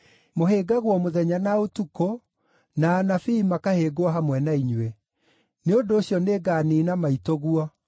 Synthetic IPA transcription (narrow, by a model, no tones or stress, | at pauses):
moɦeɡaɣwɔmoðɛɲanaotuko | naːnafiːmakaheːɡoaɦamwɛnaiɲwɛ | neondoːɕjɔneːɡaːniːnamaitoɣuɔ